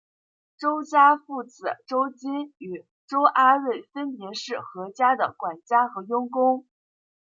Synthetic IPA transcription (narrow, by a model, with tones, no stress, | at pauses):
ʈ͡ʂo˥ʊt͡ɕja˥fu˥˩t͡sɹ̩˨˩ʈ͡ʂo˥ʊt͡ɕi˥ny˨˩ | ʈ͡ʂo˥ʊʔa˥ɻe˥˩ɪfə˥npjɛ˧˥ʂɻ̩˥˩xɤ˧˥t͡ɕja˥d̪ə˨˩kwa˨˩nt͡ɕja˥xɤ˧˥jʊ˥ŋkʊ˥ŋ